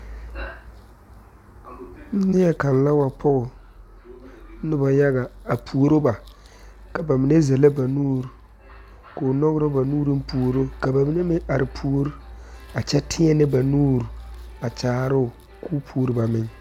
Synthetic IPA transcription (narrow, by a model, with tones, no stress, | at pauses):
n̩˦nɪ˦ɛ˨ka˨n˨la˦wa˨pʰʊ˦ɣʊ˨˦ | nɪ˦ba˨ja˦ɣa˨a˨pʰu˨o˨ɾo˦ba˨ | ka˨ba˨mɪ˨ne˦zɛ˨la˦ba˨nuː˦ɾ | kʊ˨nɔ˦ɣʊ˦ɾo˦ba˨nuː˦ɾi˦m˦pu˨o˨ɾo˦ka˨ba˨mɪ˦nɛ˦mɪ˦ŋʔa˨ɾɪ˨pʰu˦o˦ɾa˨t͡ʃɛ˦tʰɪ˦ɛ˦nɪ˦ba˨nuː˦ɾa˨t͡ʃaː˨˦ɾʊ˦ʊ˨ | kuː˦pʰu˦ɾɪ˦ba˨mɪ˦ŋ